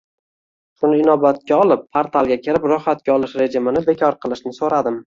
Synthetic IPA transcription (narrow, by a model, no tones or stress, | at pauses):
ʃʊnɪɪnɒbat̪̚kʲaɒlˠɪpʰːaɾt̪ʰalˠɡʲakʲʰɪɾɪpɾʊhːat̪̚kʲaɒlˠɪʃɾe̞d͡ʒɪmɪnɪbe̞kʲʰɒɾqʰɨlˠɪʃnɪsoɾad̪ɪm